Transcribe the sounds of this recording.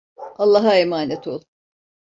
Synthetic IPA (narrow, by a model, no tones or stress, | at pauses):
alˠːaɦaemaːnet̪ʰo̞lˠ